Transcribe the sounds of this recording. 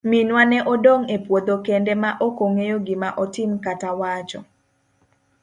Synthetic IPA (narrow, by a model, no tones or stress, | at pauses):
minwanɛʔodoŋepwod̪okɛndɛmaʔokoŋejoɡɪmaʔɔtɪmkatawat͡ʃɔ̰